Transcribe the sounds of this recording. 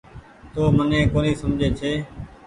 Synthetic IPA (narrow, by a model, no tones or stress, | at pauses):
t̪oːmənẽːkoːniːsəmd͡ʒʱeːt͡ʃʰeː